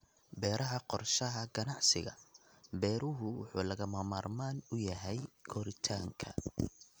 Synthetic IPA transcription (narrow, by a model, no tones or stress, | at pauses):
bɛːɾʔɐɦɐqɔrʃɐɦɐɡɐnɑʕsɪɣɐ̰ | bɛːɾʊɦʊwʊ̰ħṵːlɐɣɐmɐmaːrmaːnʊjɐɦɛjkʰɔɾɪt̪ʰaːŋkʰɐ̰